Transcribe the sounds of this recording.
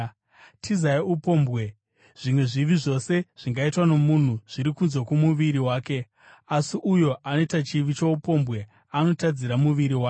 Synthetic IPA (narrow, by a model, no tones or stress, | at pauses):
tʰizaiupo̞ːmbɣe̞ | ʐ̥imwe̞ʐiʋiʐo̞se̞ʐ̥iŋɡaitwano̞mun̤uʐ̥iɾikunzokumuʋiɾiwaːke̞ | asiʔujo̞ʔanoitat͡ʃiʋit͡ʃoupo̞mbɣe̞ | ano̞tad͡ziɾamuʋiɾiwaːke